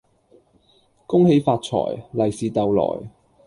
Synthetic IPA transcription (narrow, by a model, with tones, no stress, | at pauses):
kʊ˥ŋhe˨˧jfaː˧t̚t͡ʃʰɔ̰ː˨˩jlɐ˨jsiː˨t̪ɐ˨wlɔ̰ː˨˩j